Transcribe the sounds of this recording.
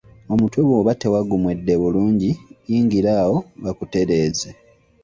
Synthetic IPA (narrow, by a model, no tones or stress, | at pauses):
o̞mutweβoːβate̞waɡumwe̞dːe̞βuluːɲɟijiːŋɡiɾaːwo̞βakute̞ɾe̞ːze